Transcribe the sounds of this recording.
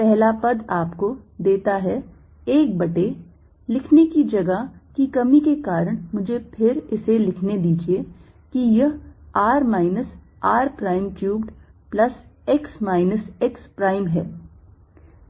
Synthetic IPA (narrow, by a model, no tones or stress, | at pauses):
pɛɦlapɐd̪aːpkod̪eːt̪aɦɛ | eːk̚bɐʈe | lɪkʰnekid͡ʒɐɡakikɐmikekaːɾəɽ̃mʊd͡ʒʱepʰɪɾɪselɪkʰned̪iːd͡ʒie | kijɐɦaːɾmaːɪnəs | aːɾpɾaːɪmkjuːbɖplɐsɪksmaːɪnəsɪkspɾaːɪmɦɛ̰ː